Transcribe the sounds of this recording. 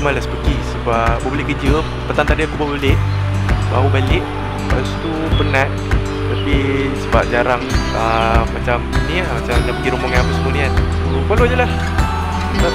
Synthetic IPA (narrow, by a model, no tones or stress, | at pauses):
malasə̥pəɡisəbabəbəleʔkəd͡ʒə | pət̪ant̪adiakubəbalɪʔ | ba̰ubalɪʔ̚ | past̪u | pənãʔ | t̪apisəba̰p̚d͡ʒaɾaŋ | əmat͡ʃamniamat͡ʃamnaʔpəɡiɾomoŋanpəsəmunian | upəlod͡ʒəlah | a